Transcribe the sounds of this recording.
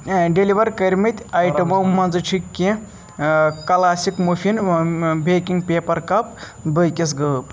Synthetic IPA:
ɖeliʋɐɾkɐɾʲmit̪ʲaːjʈɐmɐwmɐnzɨt͡ʃʰikʲːẽ | kɐlaːsikmufinbʱekiŋɡpʲeːpɐɾkɐp | bəjkʲis̬ɡɐp

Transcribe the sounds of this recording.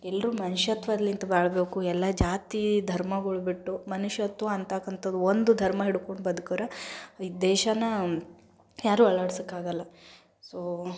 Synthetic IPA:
ɛlːɾuːmɐnuʃjɐt̪ʋɐd̪ɐlːint̪ɐbaːɭbe̞ːkuɛlːɐd͡ʒaːt̪id̪ʱɐɾmɐɡɐɭubiʈːumɐnuʂjɐt̪ʋɐːnt̪akːɐnt̪ʰɐd̪uond̪ud̪ʱɐɾmɐɦiɽukoɳɖbɐd̪ukɐɾɐid̪ɛːʃɐnɐ | jaːɾuːɐɭaːɽsɐkːaːɡɐlːɐ | soː

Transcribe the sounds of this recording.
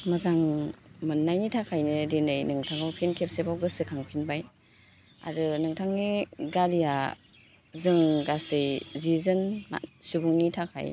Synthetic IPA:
mazaŋmɯnːajnitʰakʰajnɯdinɯjnɯŋtʰaŋawpʰenkʰep̚sebawɡɯsɯkʰaŋpʰinbaj | a̰ɾɯnɯŋtʰaŋniɡaɾija | zɯŋɡasɯjzizɯnma̰subuŋnitʰakʰa̰j

